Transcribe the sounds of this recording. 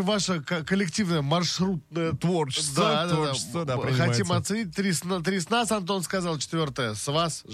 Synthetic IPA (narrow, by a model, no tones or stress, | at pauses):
vaʂəkkəlʲːɪktʲivnəjəmɐrʂɾut̪nəjət̪vort͡ɕɪstd̪ad̪ad̪aəd̪aɾʲxɐimɐt̪sɨnʲit̚ʲt̪ɾʲisnat̪ɾʲisnasɐnt̪̬o̞nskɐzalˠt͡ʃɪ̥t̪vʲo̞rt̪əjəsvas